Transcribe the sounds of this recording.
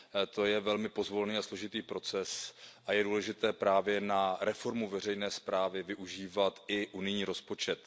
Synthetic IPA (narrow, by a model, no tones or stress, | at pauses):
t̪o̞jɛvɛlmɪpo̞zvolniːaslo̞ʒɪt̪iːpɾo̞t͡sɛsʔajɛduːlɛʒɪt̪ɛːpɾaːvjɛnaɾɛfo̞ɾmuvɛrɛjnɛːspɾaːvɪvɪʔuʒiːvat̪ʔɪʔunɪjɲiːɾo̞spo̞t͡ʃɛt̪